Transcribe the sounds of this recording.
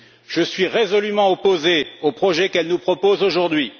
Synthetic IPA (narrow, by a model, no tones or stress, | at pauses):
ʒ̥əsɥiʁezɔlymɑ̃ɔpozeopχɔʒɛkɛlnupχɔpozoʒuʁd̪ɥi